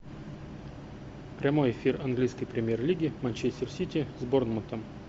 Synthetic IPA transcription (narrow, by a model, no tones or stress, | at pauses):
pɾʲɐmo̞jɪfʲirɐnɡlʲijskəjpɾʲɪmʲjerlʲiɡʲɪmɐnt͡ɕesʲtʲɪrsʲitʲɪzbornmənt̪əm